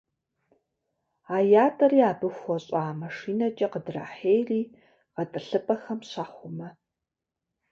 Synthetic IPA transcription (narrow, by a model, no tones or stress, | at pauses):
aːjaːtʼɐriːaːbɨxʷɔɕʼaːmɐʂiːnɐt͡ʃʼɐqədra̰ːħeːjriː | ʁɐtʼɨɬɨpʼɐxɐmɕaːχʷʊmɐ